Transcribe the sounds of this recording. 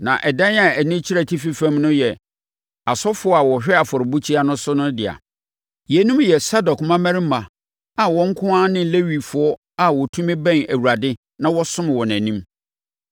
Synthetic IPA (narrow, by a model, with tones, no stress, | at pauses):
nã̰˨ʔɛ˨dã˦na˨æ˨nĩ˦t͡ɕʰi˦ɾæ˨tʰi˦fi˦fæ̃˦mnʊ̃˦jɛ˨ | a˨sɔ˦fʊ˨˦ɔ˦a˨wɔ˨ɕᶣɛ˦a˨fɔ˨ɾɪ˨bu˦t͡ɕʰi˦a˦nʊ̃˦sʊ˦nʊ̃˦dɪ˨a̰˨ | jɛ˨nũ˦m˦jɛ˨sa˦dɔ˨kmã˦mæ̃˦ɾi˦mã˨ | a˨wɔ̃˦ŋ˦kʰʊ̃˦ã˦nɪ̃˦le˦wi˨fʊ˨ɔ˦ | a˨wɔ˨tʰũ˦mɪ̃˦bɛ̃˦næ˨wu˨ɾa˨dɪ˦ | nã˦wɔ˦sʊ̃˦m˨wɔ˨næ̃˨nĩ˦m